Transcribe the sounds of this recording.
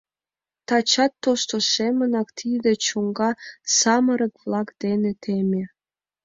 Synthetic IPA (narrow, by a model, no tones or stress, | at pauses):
t̪ɑt͡ɕɑt̪ːoʃt̪oʃemənɑkt̪ʰid̪et͡ɕuŋɡɑsɑməɾə̆kβlɑkd̪̥enet̪ʰemʲe